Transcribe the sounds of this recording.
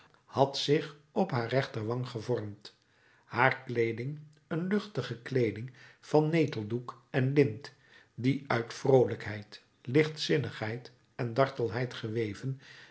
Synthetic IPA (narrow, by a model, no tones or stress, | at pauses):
hɑtsɪχɔpɦaːɹrɛχtərʋɑŋχəvɔɹmt | haːɹklejdɪŋ | ənlɵχtəχəklejdɪŋv̥ɑnːejtəl̩ˠduk | ɛnlɪnt | diœɥtfrowləkɦɛjt | lɪχtsɪnəχɦɛjt | ɛndɑɹtəlˠɦɛjtχəʋejvən